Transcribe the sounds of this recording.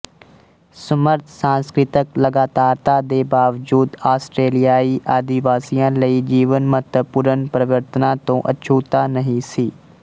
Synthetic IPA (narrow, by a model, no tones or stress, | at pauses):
səməɾt̪ʰsãːnskɾɪt̪əkləɡaːt̪aːɾt̪aːd̪eːbaːʋd͡ʒuːd̪aːsʈɾeːlɪjaːiːʔaːd̪ɪʋaːsijãːləid͡ʒiːʋənmət̪əpʊɾənpɾəʋəɾt̪ənãːt̪õːʔə̰t͡ʃʰuːt̪aːnəɦĩsiː